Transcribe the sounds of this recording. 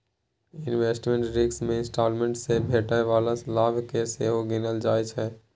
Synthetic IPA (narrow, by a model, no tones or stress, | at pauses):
ɪnʋeːsʈmẽɳʈɾiksmẽɪ̃nsʈaːlmeɳʈsebʱeːʈaʋaːlaslaːbʱkeseɦoɡɪnəld͡ʒaːet͡ʃʰɛ